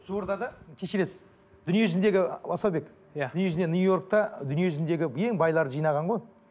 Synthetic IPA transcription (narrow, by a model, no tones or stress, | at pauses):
ʒooɾd̪ɑd̪ɑkʲʰeʃeɾesɪz | d̪̥ʏnije̞ʒʏznd̪e̞ɡʲɪbɑsɑwbe̞k̪ | ʏnijeʒʏzd̪enujo̞ɾk̚t̪ɑd̪ʏnije̞ʒʏzɪnd̪e̞ɡʲɪje̞ŋbɑjlˠɑɾəʒijnɑʁɑɴʁo̞j